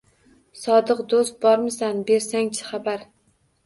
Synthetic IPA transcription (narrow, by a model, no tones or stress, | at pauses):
sɒd̪ɨqd̪ost̪̚bɒɾmɪsanbe̞ɾsaŋt͡ʃʰɪχabaɾ